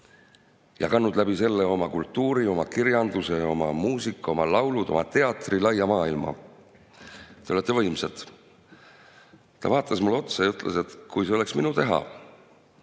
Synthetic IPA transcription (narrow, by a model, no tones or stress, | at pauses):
jɑ̰kɑnːud̪̥læbise̞lːeo̞mɑkult̪ːˑuːɾio̞mɑkiɾjɑnd̪useo̞mɑ̰muːsikːˑo̞mɑlɑwlud̪̥o̞̰mɑt̪e̞ɑt̪ˑrilɑjːɑmɑːilmɑ̰ | t̪eo̞let̪ːe̞vɤjmset̪ˑ | t̪ɑ̰vɑːt̪ˑːɑsmulːo̞t̪sejɑyt̪ːˑlʔḛse̞t̪kujseole̞ksminut̪e̞ɦɑ̰